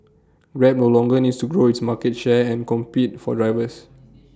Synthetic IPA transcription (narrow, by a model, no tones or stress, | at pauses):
ɡɹɛp̚nolɔ̃ŋɡənitstuɡɹoitsmakɛt̚ʃɛɛ̃nkɔ̃mpit̚fɔ̰dɹajvəs